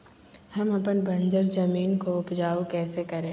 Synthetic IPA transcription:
hɐmɐpənbʱɐ̃nd͡ʒəɾzɐmiːnkoʊpd͡ʒaːokɛːsekɐɾẽː

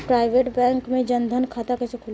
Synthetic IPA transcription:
pɾaːɪʋeːʈbɛ̃ːŋkmẽd͡ʒɐ̃nd̪ʱənkʰaːt̪akɐt͡ʃekʰʊl

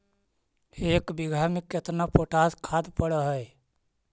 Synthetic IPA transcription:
eːkbɪɡʱaːmɪkːet̪napoːʈaːskʰaːd̪pəɽəɦɛe

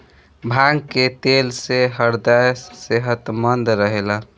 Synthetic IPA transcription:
bʱaɡket̪elseɦəɾd̪ajseɦət̪mənd̪ɾəɦela

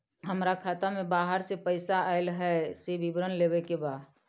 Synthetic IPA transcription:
ɦəmɾakʰat̪amebaɦəɾsepəɪsaaɪlɦɛsebibɾənlebekebaːd̪

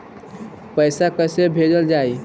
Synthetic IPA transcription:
pəɪsakəsebʱed͡ʒəld͡ʒaj

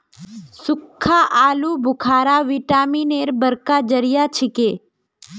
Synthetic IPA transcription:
sʊkʰːaʔaːlubʱʊkʰaːɾaʋiʈaːmineɾbəɾkad͡ʒəɾijat͡ʃʰɪke

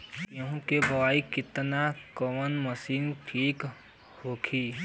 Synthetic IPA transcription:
kjõɦũkebəwaːikɪt̪nakəmənməsiːnʈʰiːk | hoːkʰiː

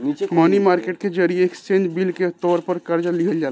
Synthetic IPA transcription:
mənimaɾkeʈked͡ʒəɾieekst͡ʃẽnd͡ʒbilket̪ɔɾpəɾkəɾd͡ʒaliɦəld͡ʒa

